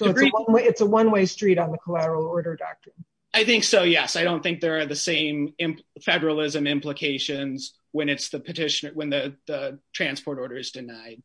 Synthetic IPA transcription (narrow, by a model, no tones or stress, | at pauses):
soʊɨtsəwʌ̃nweɪɨtsəwʌ̃nweɪstɹ̥iɾn̩ðəkʰəlæɾə˞l̩ˠɔɹɾə˞dɑ̰k̚tɹ̥ɨ̃n | aɪθɪ̃ŋksoʊjɛsaɪɾõʊ̃nθɪ̃ŋk̚ðə˞ːðɨsẽɪ̃mɪ̃mpfɛɾə˞əl̩ˠɪzɨ̃mɪ̃mpləkʰeɪʃɨ̃nz | wɨ̃nɨtsðɨpʰɨtʰɪʃɨnə˞wɨ̃nðɨðətʰɹ̥æ̃nspʰɔɹɾɔɹɾə˞ɨzdɨnaɪd̥̚